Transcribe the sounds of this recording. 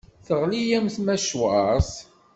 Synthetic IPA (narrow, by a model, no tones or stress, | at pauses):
θəʁlijæmθmæʃwəɾˤs